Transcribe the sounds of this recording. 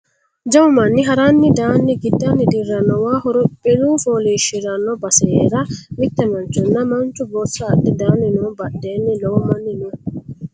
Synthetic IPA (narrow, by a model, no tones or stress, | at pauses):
d͡ʒɐwʊmɐnːɪɦɐɾanːɪd̪aːnːɪɡɪd̪ːɐnɪd̪ɪɾːɐnːɔwaːhɔɾʊbɪluːfoːliːʃːɪɾɐnːɔbɐsɛeːɾɐmɪt̪ːɛmɐnt͡ʃːʊnːɐmɐnt͡ʃːʊboːsːɐːd̪ːɪd̪aːnːɪnuːbɐɗːeːnːɪlɔwʊmɐnːɪnu